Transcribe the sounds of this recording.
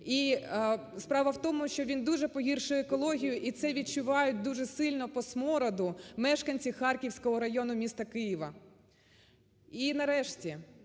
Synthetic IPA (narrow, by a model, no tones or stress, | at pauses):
i | spɾɑʋɐwt̪ɔmʊʃt͡ʃɔʋʲind̪uʒɛpɔɦʲirʃʊjekɔlˠɔɦʲijʊʔit̪sɛʋʲid̚t͡ʃʊʋɑjʊt̚ʲd̪uʒɛsɪlʲnɔpɔsmɔɾɐd̪ʊmɛʃkɐnʲt͡sʲixɑrkʲiwsʲkɔɦɔɾɐjɔnʊmʲist̪ɐkɪjiʋɐ | inɐɾɛʃtʲi